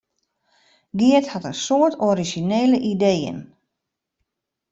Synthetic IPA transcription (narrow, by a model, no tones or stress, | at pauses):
ɡiəthatənsoətʰɔɾiʒineːləʔideːjə̰n